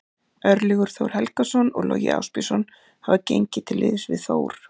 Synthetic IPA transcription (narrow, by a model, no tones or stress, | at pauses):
œɾlɪɣʏɾ̥θowɾ̥hɛlkasɔnɔɣlɔːjɪ̰a̰wspɪsɔn | havacejɲcɪt̪ʰɪlːɪːðsvɪ̰ðθoːwɾ̥